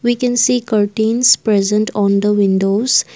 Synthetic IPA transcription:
ʋiːkɛ̃nsiːkəɾʈĩːnspɾɛzə̃ɳʈʰɔ̃ːnd̪əʋɪ̃nɖoːz̥

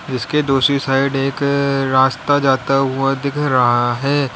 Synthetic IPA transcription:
d͡ʒɪsked̪oːʃisaːɪɖeːkɾaːst̪ad͡ʒaːt̪aɦuad̪ɪkʰɾɐɦaɦɛː

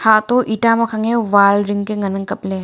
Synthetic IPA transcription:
hat̪oʔitamɐkʰaŋewalɾiŋkeŋɐnɐŋkɐple

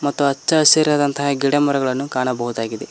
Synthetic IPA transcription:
mɐt̪ːuɐt͡ʃːɐseɾjaːd̪ɐnt̪ɐɦaːɡiɽɐmuɾɐɡɐɭɐnːukaːɳɐbɐɦud̪aːɡid̪e

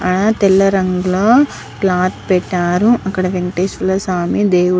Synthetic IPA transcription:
ɐnɐt̪ɛlːɐɾɐŋɡuloː | klaːt̪ʰpɛʈːaːɾuʔɐkːɐɽɐʋeɳʈeːsʋɐlɐsaːmid̪eːu

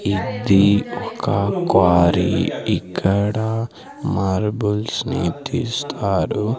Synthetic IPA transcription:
id̪iɔkɐkaːɾiikʰːɐɽa | maːɾbulsnḭt̪iːst̪ʰaːɾu

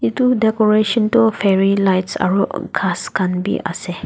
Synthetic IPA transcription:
itudɛkɔɹeʃɔ̃ntufɛɹilajtsa̰ɹoʔkʰaskãnbḭʔa̰sɛ

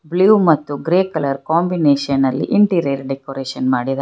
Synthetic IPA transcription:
bljuːmɐt̪ːuɡɾeːkɐlɐɾkaːmbineːʃɐnɐlːḭʔiɳʈiɾeːɾɖekoɾeːʃɐnmaːɽid̪ɐ

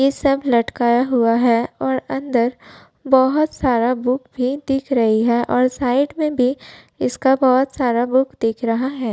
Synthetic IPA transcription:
jesɐblɐʈkaːjaɦuaɦɛɔːɾɐ̃nd̪əɾ | bɔɦʊt̪saːɾabʊkbʱid̪ɪkʰɾɐɦiɦɛːʔɔːɾsaːɪʈmẽbʱi | ɪskabɔɦʊt̪saːɾabʊkd̪ɪkʰɾɐɦaɦɛː

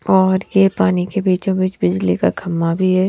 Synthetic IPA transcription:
ɔːɾjepaːnikebiːt͡ʃõbiːt͡ʃbɪd͡ʒlika̰kʰɐmːabʱiɦɛ

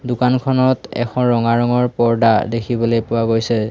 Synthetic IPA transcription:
dukankʰɔnɔtɛ̰xʰɔ̃ɹɔŋaɹɔŋɔɹpɔɹdadekʰibɔlojpʊwaɡojsɛ

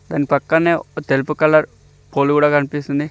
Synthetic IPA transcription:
d̪aːnpɐkːɐneːot̪elupukɐlːɐɾ | poːlkuːɽaːkɐnipist̪und̪i

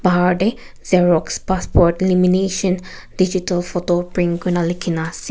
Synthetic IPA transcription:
baɹɖe | zeɹɔkspaspɔɾʈelimineʃə̃n | did͡ʒitəlfotopɾĩŋɡunalikʰinas

